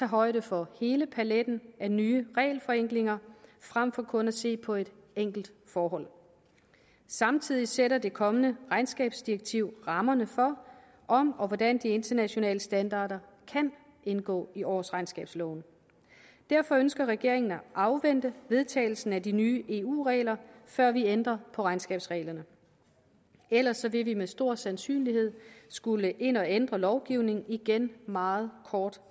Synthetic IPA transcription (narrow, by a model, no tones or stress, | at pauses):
t͡sʰɑ̈ːɦɒ̽ɪ̰ɾ̥əfɒ̽he̝ːləpʰæled̥n̩ænyːəʁɛːɪlfɒ̽eŋ̰ɡ̥le̝ŋɐfʁam̰fɒ̽kʰɔ̽næse̝̰ːpʰɒ̽e̝d̥eŋ̰ɡ̥l̩d̥fɒːɦɒ̽l̰ | sɑ̈mt͡sʰið̞̰ˠiseɾɐd̥e̝kʰɒ̽mənəʁɑ̈ɪnsɡ̥ɛ̰ːb̥sd̥iɐɡ̥̚t͡sʰiʊ̰ʁɑ̈mɐnəfɒ̽ | ʔɒ̽mɒ̽ʋɒd̥ænd̥ie̝nt͡sʰɐnæɕo̝nɛ̰ːləsd̥ænd̥ɑ̰̈ːɾɐkʰæn | enɡ̥ɔ̰ːiʔɒsʁɑ̈ɪnsɡ̥ɛ̰ːb̥slɔ̰ʊn | d̥æɐfɒ̽ønsɡ̥ɐʁɛɡ̥e̝ɐ̰e̝ŋn̩æʔɑ̈ʊʋend̥əʋe̝ð̞ˠt͡sʰɛ̰ːɪl̩sn̩ædinyːʔe̝ːṵːʁɛ̰ːlɐfɶɐ̰ʋiend̥ʁɐpʰɒ̽ʁɑ̈ɪnsɡ̥ɛ̰ːb̥sʁɛ̰ːlɐnə | el̰ɐsːɒ̽ʋe̝ʋimesd̥o̝ɐ̰sænsy̰ːnliɦe̝ð̞̰ˠsɡ̥uləʔe̝n̰ɒ̽end̥ʁɐlɒʊɡ̥iʊne̝ŋ̩iɡ̥enmɑ̈ːð̞̩ˠkʰɒːd̥